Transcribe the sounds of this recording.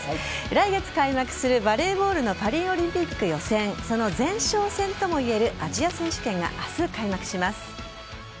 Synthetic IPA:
ɾaiɡe̞t͡sɨ̥kaimakɯ̟̥sɨɾɯ̟baɾe̞ːbo̞ːɾɯ̟no̞paɾʲĩɰ̃o̞ɾʲĩmpʲikːɯ̟jo̞sẽ̞ɴso̞no̞zẽ̞ɰ̃ɕo̞ːsẽ̞nt̪o̞mo̞ie̞ɾɯ̟ʔaʑiasẽ̞ɰ̃ɕɨ̥kẽ̞ŋɡa̰ʔasɨkaimakɯ̥ɕimasɨ̥

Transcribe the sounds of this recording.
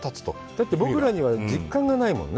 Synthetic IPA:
t̪at͡sɨ̥t̪o̞̰ | d̪̥at̪ːe̞bo̞kkɯɾaɲ̟iβad͡ʑikːãŋɡanaimõ̞̰nː

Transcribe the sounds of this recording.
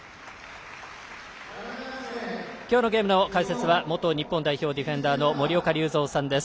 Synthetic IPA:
kʲo̞ːno̞ɡe̞ːmɯ̟no̞kaise̞t͡sɨβamo̞t̪o̞ɲ̟ipːo̞nd̪aiço̞ːd̪ʲiɸẽ̞nd̪aːno̞mo̞ɾʲio̞kaɾʲɯːzo̞ːsãnd̪e̞sɨ̥

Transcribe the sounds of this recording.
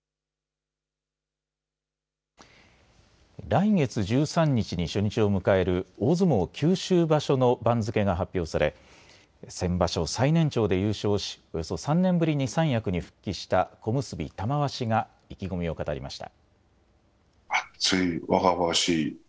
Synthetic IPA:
ɾaiŋe̞t͡sɨʑɨːsãɲ̟ːit͡ɕiɲ̟iɕoɲ̟it͡ɕio̞mɯ̟kae̞ɾɯ̟o̞ːzɨmo̞ːkʲʰɨːɕɨːbaɕo̞no̞bãnzɨke̞ɡaɦapʲːjo̞ːsaɾe̞̰ | sẽ̞mbaɕo̞sainẽ̞ɲt͡ɕo̞ːd̪e̞jɯːɕo̞ːɕi̥o̞jo̞so̞sãnnːẽ̞mbɯ̟ɾʲiɲ̟isãɰ̃jakɯ̟ɲ̟iɸɯ̟̥kʲːiɕi̥t̪ako̞mɯ̟sɨbʲḭt̪amaβaɕiɡa | ikʲiɡo̞mʲio̞kat̪aɾʲḭma̰ɕi̥t̪a̰ | at͡sɨiβaɡaβaɕiː

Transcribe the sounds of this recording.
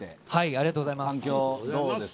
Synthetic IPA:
ehaiaɾʲiɡat̪oːɡozaimaŋkʲoːoe

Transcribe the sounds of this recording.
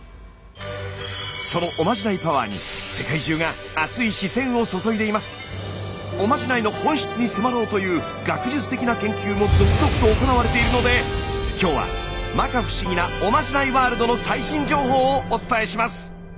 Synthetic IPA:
so̞no̞ʔomaʑinaipaβa̰ːɲ̟ḭse̞kaiʑɨːɡaːt͡sɨiɕisẽ̞ɰ̃oso̞so̞id̪e̞imasɨ̥ | o̞maʑinaino̞hõ̞ɰ̃ɕi̥t͡sɨɲ̟isɨmaɾo̞ːt̪o̞jɯ̟ː | ɡakɯ̟ʑit͡sɨ̥t̪e̞kʲinakẽ̞ŋkʲɨːmo̞zo̞kɯ̟zo̞kɯ̟̥t̪o̞ːko̞naβ̞aɾe̞t̪e̞iɾɯ̟no̞d̪e̞kʲo̞ːβa̰ | makaɸɯ̟̥ɕiɡʲinao̞maʑinaiβaːɾɯ̟d̪o̞no̞saiɕĩɲ̟d͡ʑo̞ːɦo̞ːt͡sɨ̥t̪ae̞ɕimasɨ̥

